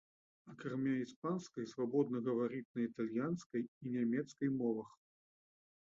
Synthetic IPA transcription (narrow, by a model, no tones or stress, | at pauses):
ɐkɾamʲaispanskɐjsvabɔd̪̚nɐɣɐvaɾʲit̪̚nɐit̪alʲjanskɐjinʲamʲɛt̪skɐjmɔvɐx